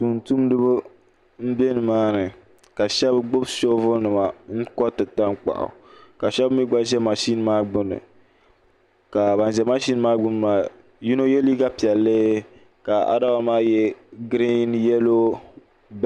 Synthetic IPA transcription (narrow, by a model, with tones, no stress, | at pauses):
tu˨n̩˨tu˦mdɨ˦bʊ˦ | m̩˦be˦nɨ˨maː˦nɨ˨ | ka˨ʃɛ˦bɡ͡bʊ˦bso˦vʊ˦nɨ˨ma˨ŋ̩˦kɔ˦tɨ˨ta˦ŋk͡pa̰˨ʔʊ̰˨ka˨ʃɛ˦bmi˦ɡ͡ba˦ʒɛ˦ma˨ʃi˦n˦maː˦ɡ͡bʊ˦nɨ̰˨ | ka˨ba˨n˨ʒɛ˨ma˦ʃi˦n˦maː˦ɡ͡bʊ˦n˨maː˨ | ju˦no˦jɛ˦liː˦ɡa˦pi˨ɛ˨lːɨ˦ | ka˨a̰˨da˦ba˨maː˦jɛ˦ɡɾi˦njɛ˦lo˦ | b